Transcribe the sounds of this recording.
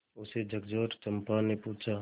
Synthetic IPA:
ʊsed͡ʒʱəkd͡ʒoːɾt͡ʃəmpaːnepuːt͡ʃʰaː

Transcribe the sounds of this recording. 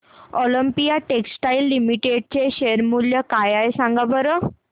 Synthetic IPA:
ɔləmpijaʈeksʈailːimiʈeɖ̚t͡ɕeɕeəɾmuljəkajaesãŋɡabəɾə

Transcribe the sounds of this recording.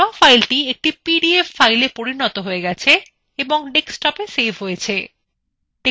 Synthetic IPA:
ɔfʰajlʈiek̚ʈipiɖiefːajlepoɾinɔt̪oɦoeɡɛt͡ɕʰe | eboŋɖeksʈɔpesebʱɦojet͡ɕʰe | t̪e

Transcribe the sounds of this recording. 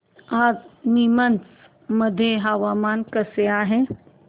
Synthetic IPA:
aːd͡znimənt͡s | məd̪ʱjeɦaʋamaːnkəseaːɦe

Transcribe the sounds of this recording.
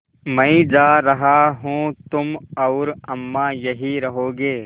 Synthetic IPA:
mɐ̃ĩd͡ʒaːɾɐɦaːɦũːt̪ʊmɐʊɾɐmːãːjɐɦiːɾɐɦoːɡeː

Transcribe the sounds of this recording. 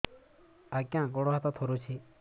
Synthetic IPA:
akjãːk̬ɔɽoɦat̪ɔ̃t̪ʰoːɾot͡ʃʰi

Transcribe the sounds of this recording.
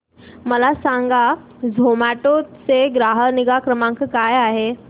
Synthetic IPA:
məlasãŋɡa | d͡zʱomaʈot͡seɡɾaɦəniɡakɾəmãŋkkajaɦe

